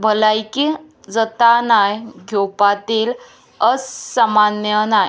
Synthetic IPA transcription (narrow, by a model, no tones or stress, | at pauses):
bʱəlajki | d͡zət̪anajɡʱjopat̪iːl | əssamanjənaj